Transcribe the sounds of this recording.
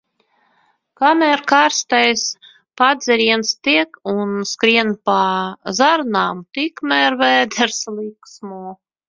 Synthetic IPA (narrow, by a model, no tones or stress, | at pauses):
kamʲɛɾkaːɾst̪ɛjs | pad̪zʲɛɾiɛnst̪iɛkunskɾiɛnpazaɾnaːmt̪ikmɛɾvɛːd̪ɛɾslˠiksmuː